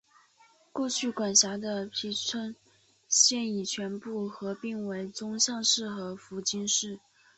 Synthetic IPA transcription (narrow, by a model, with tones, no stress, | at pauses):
kwɔ˥˧t͡ɕʰy˥˩kwa˨˩nɕja˧˥d̪ə˧pʰi˧˥t͡sʰə˥n | ɕjɛ˥˩ni˨˩t͡ɕʰɥɛ˧˥npu˥˩xɤ˧˥pi˥˩ŋwe˧˥ɪt͡sʊ˥ŋɕjɑ˥˧ŋʂɻ̩˥˩xɤ˧˥fu˧˥t͡ɕi˥nʂɻ̩˥˩